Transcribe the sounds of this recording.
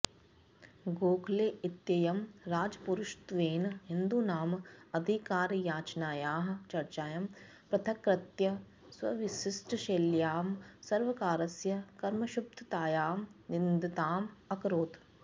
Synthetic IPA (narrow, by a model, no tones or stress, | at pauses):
ɡoːkʰleɪt̪jɐjɐmɾaːd͡ʒpuɾʊʃt̪ʋeːnɦɪnd̪unaːmɐd̪ʱikaːɾjaːt͡ʃnaːjaːɦ̆t͡ʃɐɾt͡ʃaːjɐm | pɾɐt̪ʰɐkɾɐt̪jɐ | swɐʋɪʃɪsʈʰʃeːljaːmsɐɾʋɐkaːɾɐsjɐkɐɾmɐʃʊp̚t̪ʰt̪aːjaːmnɪnd̪ʱt̪aːmɐkɾoːt̪